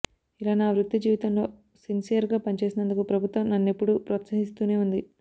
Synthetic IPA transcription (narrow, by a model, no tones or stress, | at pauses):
ilaːnaːʋɾut̪ːid͡ʒiːʋit̪ɐmlo̞ː | sinsijɐɾɡaːpɐnit͡ʃe̞ːsinɐnd̪ukupɾɐbʱut̪ʋɐmnɐnːepːuɽupɾɐɐt̪sɐɦist̪uːne̞ːund̪i